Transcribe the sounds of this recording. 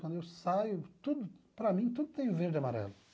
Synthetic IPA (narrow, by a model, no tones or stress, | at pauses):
kɐ̃nd̪ʊewsajʊt̪ud̪ʊpɾɐmĩt̪ud̪ʊt̪ẽj̃ʊveɾd͡ʒɪamaɾɛ̰lʊ